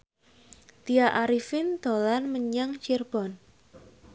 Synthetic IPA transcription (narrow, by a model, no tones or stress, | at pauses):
t̪iaʔaɾifɪnd̪̥o̤lanməɲaŋt͡ʃirb̥ɔ̤n